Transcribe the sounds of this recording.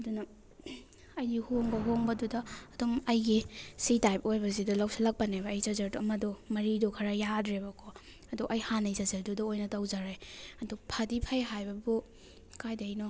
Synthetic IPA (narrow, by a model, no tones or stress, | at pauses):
ɐdunɐ | ɐjdihoŋbɐɦoŋbɐdudɐːdumɐjɡisitajpojbɐzidɐlawsalɐk̚pɐnebɐːjzɐzɐɾduɐmɐdɔmɐɾidɔkʰɐɾɐjadɾebɐkʰɔ | ɐduʔɐjhanɐjzɐzɐɾdudɐojnɐtɐwzaɾajɐdupʰadipʰɐjɦajbɐbu | kajdajnɔ